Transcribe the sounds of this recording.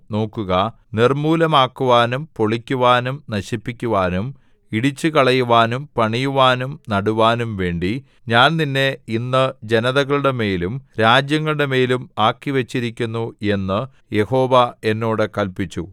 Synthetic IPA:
no̞ːkːuɣɐ | nirmuːlɐmaːkːuʋaːnumpo̞ɭikʲːuʋaːnumnɐɕipːikʲːuʋaːnum | iɽit͡ɕːɨkɐɭɐjuʋaːnumpɐɳijuʋaːnumnɐɽuʋaːnumʋe̞ːɳɖi | ɲaːnninːe̞inːɨd͡ʑe̞nɐðɐɣɐɭuɽe̞me̞ːlumɾaːd͡ʑjɐŋːɐɭuɽe̞me̞ːlumaːkːiʋɐt͡ɕːiɾikʲːunːue̞nːɨ | je̞ho̞ːʋɐe̞nːo̞ːɽɨkɐlpit͡ɕːu

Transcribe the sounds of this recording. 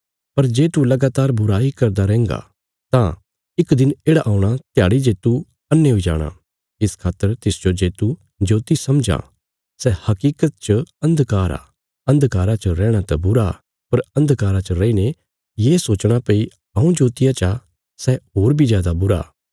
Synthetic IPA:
pɐɾd͡ʒeːt̪ulɐɡaːt̪aːɾbʊɾaɦikɐɾd̪aɾɛ̃ːŋɡa̰ | t̪ã | ɪkd̪ɪneːɽaʔaːuɽ̃at̪jaːɽid͡ʒeːt̪u | ɐnːeɦoid͡ʒa̰ːɽ̃a̰ | ɪskʰaːt̪ːəɾt̪ɪsd͡ʒod͡ʒeːt̪u | d͡ʒoːt̪isɐmd͡ʒa̰ː | sɛhɐkiːkət̪̚t͡ʃɐ̃nd̪kaːɾa̰ | ɐ̃nd̪kaːɾat͡ʃəɾɛ̃ːɽ̃at̪ɐbʊɾa̰ | pɐɾɐ̃nd̪kaːɾat͡ʃəɾɐiːne | jeːsoːt͡ʃɽ̃apeːi | ɐũd͡ʒoːt̪ɪjãt͡ʃa | sɛɦoːɾbʱizjaːd̪abʊɾa̰ː

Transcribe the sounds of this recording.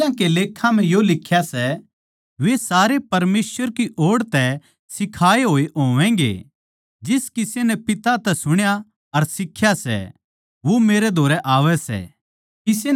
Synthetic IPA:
ãkeleːkʰːãm̤ɛ̃jolɪkʰjasɛ | ʋesaːɾepɐɾmeːsʋəɾkiʔoːɽt̪ɛ | sɪkʰaːeɦoːeʔoːʋɛ̃ːŋɡḛ | d͡ʒɪskɪsenɛpɪt̪at̪ɛsʊɽ̃ja | ɐɾsɪkʰːjasɛ̰ | ʋomeːɾɛd̪ʱoːɾɛʔaːʋɛsɛ̰ | ɪse

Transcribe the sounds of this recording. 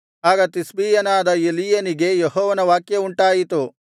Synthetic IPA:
aːɡɐt̪isbiːjɐnaːd̪ɐelijɐniɡe̞jeɦɔːʋɐnɐʋaːkjɐuɳʈaːjit̪u

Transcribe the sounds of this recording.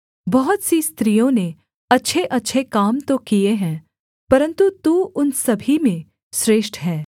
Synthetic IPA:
bɐɦʊt̪sist̪ɾiːjõne | ɐtːʃʰeʔɐtːʃʰekaːmt̪okijeɦɛ̃ː | pɐɾə̃nt̪ut̪uʊnsɐbʱimẽ | sɾeːʃʈɦɛː

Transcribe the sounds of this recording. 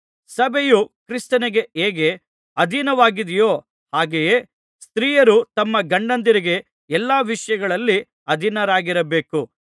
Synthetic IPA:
sɐbʱejukɾist̪ɐnɛɡe̞eːɡe | ɐd̪ʱinɐʋaːɡid̪ijo̞ː | haːɡeje | st̪ɾiːjɐɾut̪ɐmːɐɡɐɳɖɐnd̪iɾiɡe̞ | ɛlːaːʋiʂɐjɐɡɐɭɐlːi | ɐd̪ʱinɐɾaːɡiɾɐbe̞ːku

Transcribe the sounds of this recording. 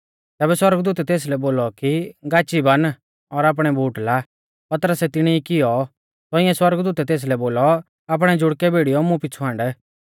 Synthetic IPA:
t̪ɛːbɛswɐɾəɡd̪uːt̪ɛt̪eːs̬lɛboːlɔkiɡaːt͡ʃibɐn | ɔɾaːp̬ɽ̃ɛbʱuːʈla | pɐt̪əɾəsɛt̪ɪɽ̃ɛikɪjɔ | t̪ɔɪɛ̃swɐɾɡd̪uːt̪ɛt̪eːs̬lɛboːlɔ | ap̬ɽ̃ɛd͡ʒʊɽkɛbʱeːɽijɔmũpɪt͡sʰuɦãːɳɖɛ

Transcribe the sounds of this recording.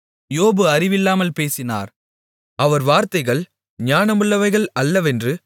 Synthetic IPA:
joːbɯɐrɪʋɪlːaːmɐlpeːsɪna̰ːɾ | ɐʋɐɾʋaːɾt̪ɐɪɣɐɭ | ɲaːnɐmɯɭːɐʋɐɪɣɐɭɐlːɐʋɛndrɯ

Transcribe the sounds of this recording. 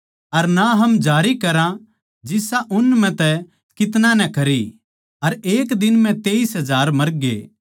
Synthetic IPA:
ɐɾnaɦɐmd͡ʒaːɾikɐɾã | d͡ʒɪsaʔʊnːmɛ̃t̪ɛ | kɪt̪̬nãnɛkɐɾi | ɐɾeːkd̪ɪnmɛ̃t̪eːisɦɐzaːɾmɐɾɡḛː

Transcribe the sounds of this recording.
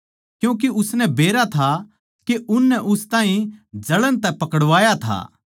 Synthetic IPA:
kjũːk̬eʊsnɛbeːɾat̪ʰa | keʊnːɛʔʊst̪ãːɦĩd͡ʒɐɭənt̪ɛpɐkəɽʋaːjat̪ʰa̰ː

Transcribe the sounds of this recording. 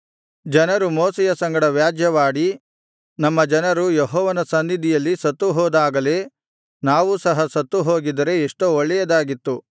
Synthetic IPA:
d͡ʒɐnɐɾumoːsɛjɐsɐŋɡɐɽɐʋjaːd͡ʒjɐʋaːɽi | nɐmːɐd͡ʒɐnɐɾujeɦɔːʋɐnɐsɐnːid̪ijɐlːisɐt̪ːuɦɔːd̪aːɡɐle̞ː | naːʋusɐɦɐsɐt̪ːuɦoːɡid̪ɐɾe̞ːʂʈooɭːɛjɐd̪aːɡit̪ːu

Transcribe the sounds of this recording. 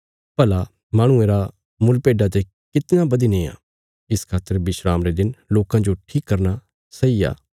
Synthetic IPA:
pɐla | mãːɽ̃ʊ̃ẽːɾa | mʊlpeːɖat̪̬e | kɪt̪nabɐd̪inẽːa̰ː | ɪskʰaːt̪ːəɾbɪʃɾaːmɾed̪ɪnloːkãd͡ʒoʈʰiːkːɐɾna | sɐija̰ː

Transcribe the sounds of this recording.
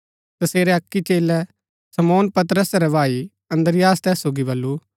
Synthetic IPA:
t̪ɐseːɾɛɐkːit͡ʃeːlɛ | sɐmoːnpɐt̪ɾəsɾɛbʱaːi | ɐ̃nd̪əɾɪjaːst̪ɛːsːoːɡibɐlːu

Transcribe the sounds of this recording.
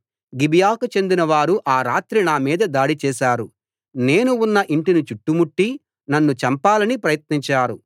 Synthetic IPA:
ɡibijaːkut͡ʃe̞nd̪inɐʋaːɾuʔaːɾaːt̪ɾinaːmiːd̪ɐd̪aːɽit͡ʃɛːʃaːɾu | ne̞ːnuunːɐʔiɳʈinut͡ʃuʈːumuʈːi | nɐnːut͡ʃɐmpaːlɐnipɾɐjɐt̪̚niɲt͡ʃaːɾu

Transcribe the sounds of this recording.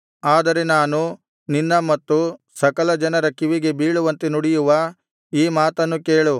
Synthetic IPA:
aːd̪ɐɾe̞naːnu | ninːɐmɐt̪ːu | sɐkɐlɐd͡ʒɐnɐɾɐkiʋiɡe̞biːɭuʋɐnt̪enuɽijuʋɐ | iːmaːt̪ɐnːukeːɭu

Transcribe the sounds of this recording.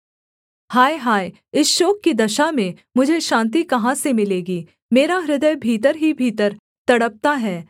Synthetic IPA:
haːjɦaːj | ɪsʃoːkːid̪ɐʃamẽ | mʊd͡ʒʱeʃãːnt̪̬ikɐɦãsemɪleːɡiː | meːɾaɾɪd̪əjbʱiːt̪əɾɦibʱiːt̪əɾ | t̪ɐɽəp̚t̪aɦɛː

